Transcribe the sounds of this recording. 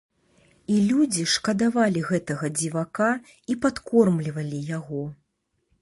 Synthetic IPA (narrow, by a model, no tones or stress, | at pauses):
ilʲud͡zʲiʂkɐd̪avalʲiɣɛt̪ɐɣɐd͡zʲivaka | ipat̪kʰɔrmlʲivɐlʲijaɣɔ